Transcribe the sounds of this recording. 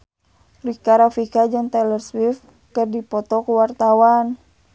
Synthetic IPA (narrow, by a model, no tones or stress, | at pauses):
likaɾafikad͡ʒɨŋt̪ɛlərswif | kɨrdipɔt̪ɔkuwart̪awan